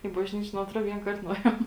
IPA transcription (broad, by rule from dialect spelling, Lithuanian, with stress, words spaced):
iː bɐʒʲˈnʲiːt͡ʃʲeː nʊ ɐtˈroː ʋʲiɛŋˈkɐrt nʊˈeːjoːm